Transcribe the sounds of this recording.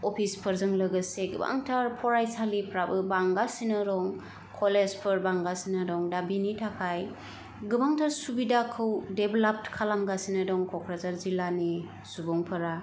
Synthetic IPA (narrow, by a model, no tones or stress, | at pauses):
ɔpʰispʰɯɾzɯŋlɯɡɯseɡɯ̰ba̰ŋtʰaɾpʰɔɾajsalipʰɾabɯbaŋɡasinɯɾɔŋ | kʰolezpʰɯɾbaŋɡasinadɔŋdabinitʰakʰaj | ɡɯbaŋtʰaɾsubidakʰɯwdebelap̚tkʰalamɡasinɐdɔŋkʰɔkʰɾazaɾzilani | subɔŋpʰɯɾa